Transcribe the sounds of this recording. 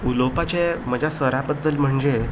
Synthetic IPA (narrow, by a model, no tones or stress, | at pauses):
ulopat͡ɕeməd͡ʑʱasəɾabəd̪ːəlm̤əɳd͡ze